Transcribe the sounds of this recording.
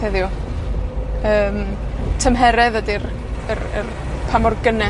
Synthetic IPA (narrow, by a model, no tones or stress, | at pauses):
ɛðju | əːmtʰəmɦɛɾɛðədir | ərə̰r | pʰamɔrɡənɛ